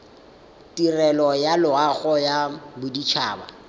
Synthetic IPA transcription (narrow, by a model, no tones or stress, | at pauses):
tirɛlɔjalʊaɣɔjabʊdit͡ʃʰaːba̰